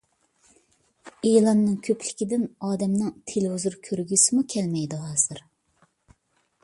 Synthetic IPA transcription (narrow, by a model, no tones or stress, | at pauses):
elˠɑnːɨŋkʲʰøpʰlɪkʲid̪ɪnɑːd̪ɛmnɨŋt̪ʰeluzuɾkʲʰøɾɡʲysɪmukʲʰɛlmɛjd̪ɪɦɑːz̥ɨɾ